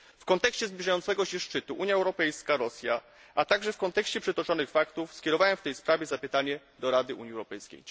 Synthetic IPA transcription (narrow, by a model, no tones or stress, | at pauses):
fkɔnt̪ɛkɕt͡ɕɛzblʲiʐajɔnt̪sɛɡɔɕɛʂt͡ʂɘt̪uʔuɲjaɛwɾɔpɛjskaɾɔsʲja | ʔat̪aɡʐɛfkɔnt̪ɛkɕt͡ɕɛpʂɛt̪ɔt͡ʂɔnɘxfakt̪ufskʲɛɾɔvawɛmft̪ɛjspɾavʲjɛzapɘt̪aɲɛ | d̪ɔɾad̪ɘʔṵɲjiɛwɾɔpɛjskʲḛj